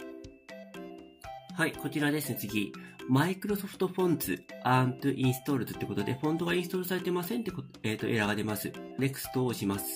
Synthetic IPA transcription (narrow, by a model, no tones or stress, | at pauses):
haiko̞t͡ɕiɾad̪e̞sɨne̞t͡sɨɡʲimaikɯ̟ɾo̞so̞ɸɯ̟̥t̪o̞ɸõ̞nt͡sɨ̰ãnt̪ɯ̟ʔĩɰ̃sɨ̥t̪o̞ɾɯ̟t͡sɨt̪ːeko̞t̪o̞d̪e̞ɸõ̞nd̪o̞ɡaĩsɨt̪oɾɯ̟s̬aɾe̞t̪e̞masẽ̞nt̪ːekoeːt̪ːo̞ʔe̞ɾaɡad̪e̞masɨne̞kɯ̟̥sɨ̥t̪o̞ːɕimasɨ̥